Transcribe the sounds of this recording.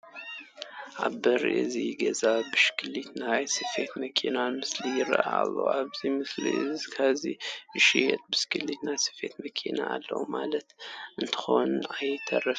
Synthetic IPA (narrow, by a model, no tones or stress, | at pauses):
ʔaβbɐɾʔɨ̰ziɡɐzabɨʃkʰɨlit̪najsɨfe̞t̪mɐkʰinamɨslijɪɾɐ̰ʔa̰lːo̰aβzimɨslḭɨzkʰaβziɨʃijɛt̪̚bɨskʰɨlit̪najsɨ̥fe̞t̪mɐkʰinaːlːɐ̰wmalɐt̪ʔɨnt̪ʰɨ̥xonajt̪ʰɐ̰rɐf